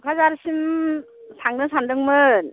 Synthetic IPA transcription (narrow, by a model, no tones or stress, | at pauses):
kʰazaɾɯsim | sʰaŋdɯŋsandɯŋmɯn